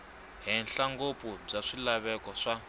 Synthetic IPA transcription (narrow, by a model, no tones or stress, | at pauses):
ɦɛnɬaŋɡopub͡ʐaʂilaβɛkɔʂa